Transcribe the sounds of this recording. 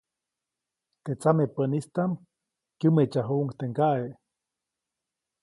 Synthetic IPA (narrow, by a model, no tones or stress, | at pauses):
t̪et͡samepənist̪am | kjɨmet͡ʃaɦuʔŋkt̪eŋɡaʔeʔ